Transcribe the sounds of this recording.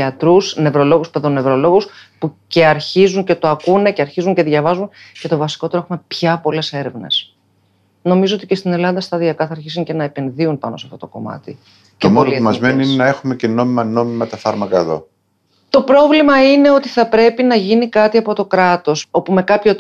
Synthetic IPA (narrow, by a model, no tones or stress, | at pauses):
ɐt̪ɾusne̞vɾo̞lo̞ɣuspeðonːevɾo̞lo̞ɣuspuce̞ɐɾçizunce̞t̪o̞ɐkune̞ce̞ɐɾçizuŋce̞ðʝɐvɐzunce̞t̪o̞vɐsi̥ko̞t̪e̞ɾoe̞xume̞pçɐpo̞le̞se̞ɾe̞vne̞̰s | no̞mizoot̪ice̞st̪ine̞lɐnðɐst̪ɐðiɐkɐθɐɾçisuŋce̞nɐepe̞nðiunpɐno̞seɐft̪o̞t̪o̞ko̞̰mɐ̰t̪i | temoimɐzmeniinenɐe̞xume̞ceno̞mimɐno̞mimɐt̪ɐfɐɾmɐkɐeðo̞̰ | t̪o̞pɾo̞vlimɐine̞o̞t̪iθɐpɾe̞pinɐʝinikɐt̪iɐpo̞t̪o̞kɾɐt̪o̞so̞pume̞kɐpço̞